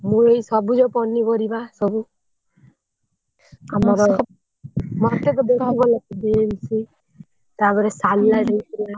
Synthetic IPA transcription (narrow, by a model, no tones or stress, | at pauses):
muejsɔbud͡ʒɔpɔnibɔɾibasɔbu | amɔɾɔ | mɔt̪ekɔd̪ekʰibɔlakɔbiemsi | t̪abɔɾesallaɾejtila